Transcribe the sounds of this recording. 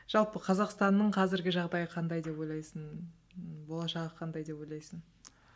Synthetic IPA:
ʒ̥ɑlˠpəqʰɑzɑqst̪ɑnːəɴqʰɑzɪɾɡʲɪʒɑʁd̪ɑjəqʰɑnd̪ɑjd̪e̞po̞jlˠɑjsən | bo̞lˠɑʃɑʁəqʰɑnd̪ɑjd̪e̞po̞jlˠɑjsən

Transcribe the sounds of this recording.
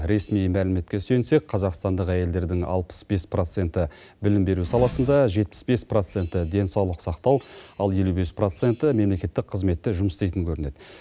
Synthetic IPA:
ɾe̞smijmælɪme̞t̪kʲe̞sɵjnse̞k̚qʰɑzɑqst̪ɑnd̪əqæje̞ld̪e̞ɾd̪ɪŋɑ̰lˠpə̥sbe̞spro̞t̪se̞nt̪ɪ | bɪlɪmbe̞ɾusɑlˠɑsənd̪ɑʒe̞t̪̚pɪ̥sbe̞spro̞t̪se̞nt̪ɪd̪e̞nsɑwlˠəqsɑqt̪ɑwɑlˠje̞lube̞spro̞t̪se̞nt̪əme̞mle̞kʲe̞t̪ːɪk̚qʰəzme̞t̪ːɪʒʊməst̪ejt̪ɪŋkʲʰɵɾɪne̞d̪̥

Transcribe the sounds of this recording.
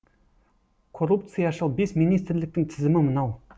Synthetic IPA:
kʰorupt̪sɨjɑʃəlˠbesminijst̪ɾlɪk̚t̪ɪŋt̪ʰɪzɪmɪmənɑw

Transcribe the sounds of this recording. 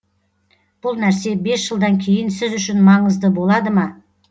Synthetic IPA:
b̥ʊlˠnæɾse̞be̞sʒ̥əlˠd̪ɑŋkʲʰe̞jɪnsɪzʏʃɪnmɑɴəzd̪əbo̞lˠɑd̪əmɑ

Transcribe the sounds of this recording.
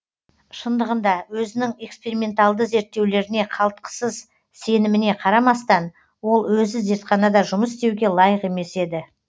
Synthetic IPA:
ʃənd̪əʁənd̪ɑwɵzɪnɪŋe̞kspeɾimʲe̞nt̪alˠd̪əze̞ɾt̪ːe̞wle̞ɾɪne̞qʰɑlˠt̪̚qə̥səz | se̞nɪmɪne̞qʰɑɾɑmɑst̪ɑn | wo̞lˠwɵzɪze̞ɾt̪χɑnɑd̪ɑʒʊməsɪst̪e̞wɡʲe̞lˠɑjəqe̞me̞se̞d̪ɪ

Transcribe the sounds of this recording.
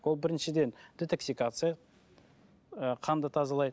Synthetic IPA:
wo̞lˠbɪɾɪnʃɪd̪e̞nd̪̥ʲet̪ʰoksʲikat̪sɨja | əqʰɑnd̪ət̪ʰɑzɑlˠɑjd̪

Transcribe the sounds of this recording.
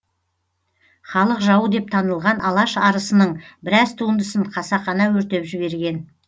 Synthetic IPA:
χɑlˠəqʒɑwəd̪e̞p̚t̪ʰɑnəlˠʁɑnʔɑlˠɑʃɑɾəsənəɴbɪɾɑzt̪ʰuənd̪əsəɴqʰɑsɑχɑnɑwɵɾt̪e̞pʒɪβe̞ɾɡʲe̞n

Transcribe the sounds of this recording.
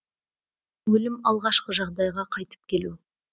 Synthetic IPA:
wɵlɪmɑlˠʁɑʃqəʒɑʁd̪ɑjʁɑqʰɑjt̪ə̥p̚kʲʰe̞lu

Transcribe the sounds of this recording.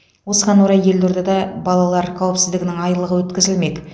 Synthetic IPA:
wo̞səʁɑnwoɾɑje̞ld̪eɾd̪ed̪ɑbɑlˠɑlˠɑɾqʰæwɪpsɪzd̪ɪɡʲɪnɪŋɑjlˠəʁəwɵt̪kʲɪzɪlme̞k̪

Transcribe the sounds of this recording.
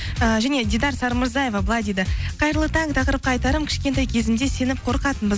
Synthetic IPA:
əʒæne̞d̪ʲid̪ɑɾsɑɾməɾzɑje̞vɑbəlˠɑjd̪e̞d̪ɪqʰɑjɾəlˠət̪ʰɑɴt̪ʰɑqəɾəp̚qɑɑjt̪ɑɾəmkʲʰɪ̥ʃkʲent̪ɑjkʲʰe̞zɪmd̪e̞se̞nɪp̚qʰo̞ɾqɑt̪ənbɪz

